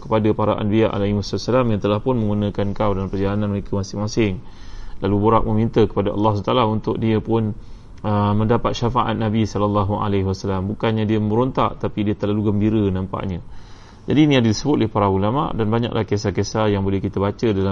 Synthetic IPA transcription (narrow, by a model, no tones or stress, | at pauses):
kə̥padapaɾaʔa̰nbiaʔa̰laimasat̪salamjat̪əlahpʊnmə̃ŋɡunə̃kankawdalampərd͡ʒalanãnməɾekəmasɪŋmasɪŋ | laluboɾa̰ʔ̚mə̃mint̪əkəpadaʔɑ̰lːɑhst̪alaunt̪ʊk̚diəpʊn | əməndapat̪̚ʃafaʔa̰t̪̚nabisɔləlːaɦua̰leɦiwasalambukanɲadiəməɾont̪a̰ʔt̪apidiət̪ərlaluɡəmbiɾənampa̰ʔɲə̃ | d͡ʒadiniadədisəbʊt̪ʔolɛpaɾaulama̰ʔdanbaɲa̰klʔahkesakesajaŋbolɛhkit̪əbat͡ʃədala